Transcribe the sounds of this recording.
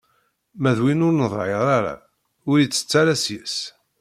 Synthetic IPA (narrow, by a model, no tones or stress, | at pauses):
mæðwinʊɾnəðˤʕeʁɾaɾa̰ | ʊɾjt͡sːə̥t͡sːaɾæsjəs